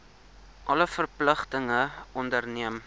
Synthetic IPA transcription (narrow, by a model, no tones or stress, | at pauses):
ʔɐləfərpləχtəŋəɔndərniəm